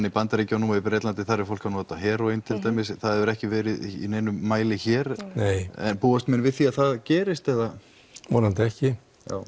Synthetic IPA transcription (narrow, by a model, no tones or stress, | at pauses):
nːipant̪aɾicawnuːapɾɛːt̪lant̪ɪθaɾɛɾ̥fowlkanɔːt̪aɦɛːɾɔejnt̪ʰɪlt̪aːjmɪsθaðɛvʏɾɛhcɪvɛːɾɪðḭnejnʏːaːjlɪçɛːɾneːjɛ̰npuːast̪mɪnvɪðθiːaðθaðcɛːɾɪst̪ɛða | mɔːnhant̪ɪɛhcɪ | ja̰ːw